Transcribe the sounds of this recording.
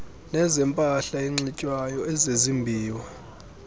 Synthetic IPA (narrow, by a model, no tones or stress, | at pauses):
nɛzɛmpʼaɬaiŋ͡ǀicʼwajɔɛzezimbʱiːwa